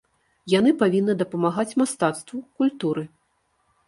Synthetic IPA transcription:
janɨpavʲinːɨd̪ɐpɐmaɣat͡sʲmast̪at̪st̪vukulʲt̪uɾɨ

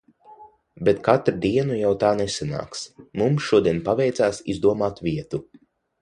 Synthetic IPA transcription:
bet̪kat̪ɾud̪iɛnujawt̪aːnɛsana̰ːksmumsʃuɔd̪iɛnpavɛjt̪saːsḭzd̪uɔmaːt̪vʲiɛt̪u

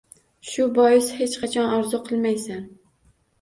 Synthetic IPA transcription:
ʃʊbɒjɪshe̞t͡ʃqʰɑt͡ʃʰɒnɒɾzʊqʰɨlˠmajsan

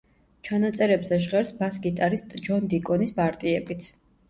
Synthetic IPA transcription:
t͡ʃʰanat̪sʼɛɾɛbzɛʒʁɛɾsbasɡit̪ʼaɾist̪ʼd͡ʒɔnd̪ikʼɔnispʼaɾt̪ʼiɛbit̪sʰ

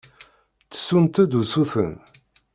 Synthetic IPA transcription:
θə̥sːunt̪æd̪usuθə̰n

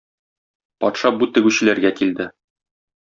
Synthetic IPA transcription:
pɒ̰t̪ʃɑbut̪ɘ̆ɡʉɕɘ̆læɾɡækild̪ɘ

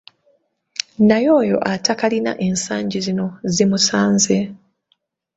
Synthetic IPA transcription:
najo̞ːjo̞̰ʔatakalina̰ʔe̞nsaːɲɟizino̞zimusaːnze

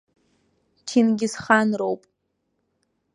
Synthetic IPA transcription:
tʰinɡʲɪsχanrowpʼ

